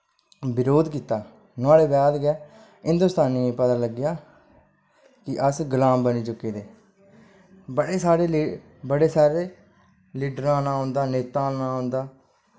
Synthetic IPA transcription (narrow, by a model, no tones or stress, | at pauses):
bɪɾoːd̪kiːt̪aː | nʊaːleːbɛːd̪ɡɛː | ɪ̃nd̪ʊst̪aːniːpət̪aːləɡɪjaː | kɪʔəsɡəlãːmbəniːt͡ʃʊkːeːd̪eː | bəɽeːsaːɾeː | bəɽeːsaːɾeː | liːɖɾãːnãːɦõːnd̪aːneːt̪ãːnãːɦõːnd̪aː